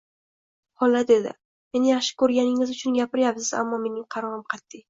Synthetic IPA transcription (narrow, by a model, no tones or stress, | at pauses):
hɒlːad̪ed̪ɪ̰ | me̞nɪjaχʃɪ̥kʰɵɾɡʲanɪŋɪzʊt͡ʃʰʊnɡʲapɪɾjapsɪza̰mːɒme̞nɪŋqʰɑɾɒɾɪmqʰɑt̪ːɪj